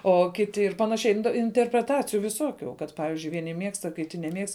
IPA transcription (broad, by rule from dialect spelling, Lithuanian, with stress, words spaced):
oː ˈkʲɪtʲɪ ɪr ˈpɑːnɐˌʃʲɛɪ ɪnʲtʲɛ ɪnʲtʲɛrʲpʲrʲɛˈtɑːt͡sʲɪjʊ ʋʲɪˈsuɔkʲʊ kɐt ˈpɑːʋʲɪzʲd͡ʒʲʊɪ ʋʲiɛˈnʲɪ ˈmʲiɛkstɐ kʲɪˈtʲɪ nʲɛˈmʲiɛkst